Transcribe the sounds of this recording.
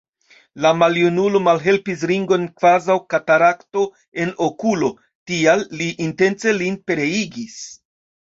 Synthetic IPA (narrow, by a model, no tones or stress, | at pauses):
lamaljunulo̞malɦe̞lpis̬ɾiŋɡo̞nkv̥azawkataɾakto | e̞no̞kulo̞ | tialːiʔːnte̞nt͡se̞linpe̞ɾe̞iɡis